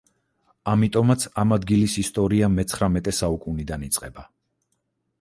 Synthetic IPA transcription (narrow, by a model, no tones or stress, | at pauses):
amit̪ʼɔmat̪sʰamad̪ɡilisist̪ʼɔɾiamɛt̪sʰχɾamɛt̪ʼɛsaukʼunid̪anit̪sʼqʼɛba